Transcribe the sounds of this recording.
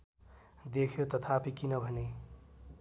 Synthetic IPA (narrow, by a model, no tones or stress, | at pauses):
d̪ekʰjot̪ʌt̪ʰapʰikinʌbʱʌne